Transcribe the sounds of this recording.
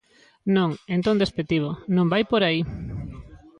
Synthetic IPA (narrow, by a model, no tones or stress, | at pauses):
nõŋent̪õnd̪espet̪iβ̞onõmbajpoɾai